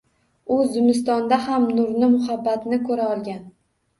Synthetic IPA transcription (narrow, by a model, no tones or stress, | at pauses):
ʊzːɪmɪs̬t̪ɒnd̪aɦamnʊɾnɪmʊhabːat̪nɪkʰɵɾaɒlˠɡʲan